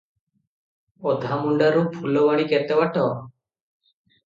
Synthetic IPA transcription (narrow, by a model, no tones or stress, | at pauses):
ɔd̪ʱamuɳɖaɾũpʰulɔʋaɽ̃ikɛt̪ɛwaʈɔ